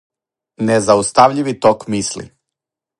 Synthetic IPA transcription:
nezaust̪aʋʎiʋit̪okmislḭ

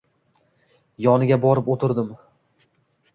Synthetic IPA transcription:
jɒnɪɡʲabɒɾɪpot̪ʰɪɾd̪ɪm

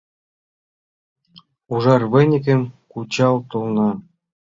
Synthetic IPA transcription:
uʐɑrvɘ̆nʲɘ̆k̬ʲɘ̆mʲkut͡ɕɑlt̪ulˠnɑ

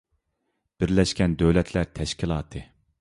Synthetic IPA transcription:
b̥ɪɾlɛʃkʲɛnd̪øwlɛt̪ʰlæɾt̪ʰɛʃkʲilˠɑːt̪ʰɨ

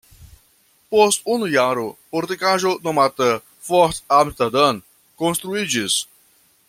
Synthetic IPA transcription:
pɔst̪unʊjaɾʊpoɾt̪ikaʒonomat̪ə | fɔɾt̪amst̪ɐd̪ɐ̃n | kõnst̪ɾuid͡ʒis

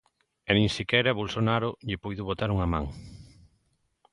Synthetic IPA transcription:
enĩŋsikɛɾaβolsonaɾoʎɪpujðuβot̪aɾuŋamã̰ŋ

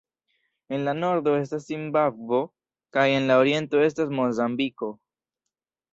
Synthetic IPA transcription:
e̞nlano̞ɾd̪o̞e̞s̬tasimbakvo̞ | kaje̞nlaoɾije̞nto̞e̞s̬tasmo̞zambiko̞

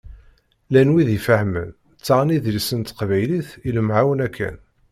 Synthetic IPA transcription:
lænwiðifəhmə̰n | t͡sːaʁniðɾisənt̪qvæjliθiləmʕawənækʰːæ̰n

